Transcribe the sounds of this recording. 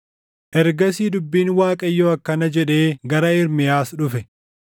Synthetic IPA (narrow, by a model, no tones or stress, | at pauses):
ʔɛɾɡɐsiːd̪ʊbːiːnwaːkʼɐjːoːɐkːɐnɐd͡ʒɛᶑe̞ːɡɐɾɐɪɾmɪjaːsᶑʊfɛ